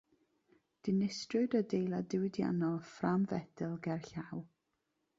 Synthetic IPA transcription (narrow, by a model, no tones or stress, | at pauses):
d̥ɪnɪstrɨdədejlˠadɪwɪdja̰nɔlˠframvɛdɨlˠɡɛrɬaw